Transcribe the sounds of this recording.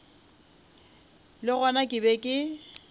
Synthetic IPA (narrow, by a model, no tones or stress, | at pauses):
lɪɣanakʼɪbɛkʼɪ